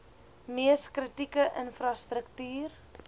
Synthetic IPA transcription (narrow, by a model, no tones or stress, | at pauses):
miəskrətikəʔənfrɐstɾəktyːr